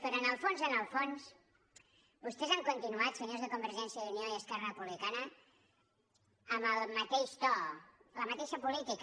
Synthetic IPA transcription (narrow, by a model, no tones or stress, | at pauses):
pəɾonəlˠfonzənəlˠfons | bust̪ɛzaŋkunt̪inuat̪səɲozðəkumbəɾʒɛnsjəðunioiəskɛrərəpuβlikanə | əməlˠmət̪eʃt̪ɔləmət̪eʃəpulit̪ik